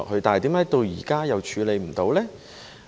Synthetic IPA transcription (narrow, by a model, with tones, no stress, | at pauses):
k̚hɵ˨˧ɥt̪aː˨˩jt̪iː˨˥mɛː˨˥t̪o˧wjiː˨˩kaː˥jɐ˨˧wt͡ʃʰyː˨˧le˨˧jm̩˨˩t̪o˨˧wlɛː˥